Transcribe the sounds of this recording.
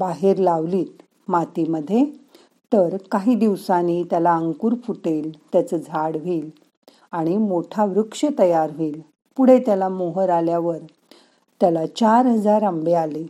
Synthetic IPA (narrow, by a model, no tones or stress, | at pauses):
baɦeɾlaʋliːt̪ | mat̪iməd̪ʱːje | t̪əɾkaɦiːd̪iʋsaniːt̪jalaəŋkuːɾfuʈelt̪jat͡səd͡zʱaɽʋiːl | aɽ̃imoʈʰaʋɾukʂət̪əjaɾʋiːl | puɽ̤et̪jalamoɦəɾaljaʋəɾ | t̪jalat͡ɕaɾɦəd͡zaɾəmbeale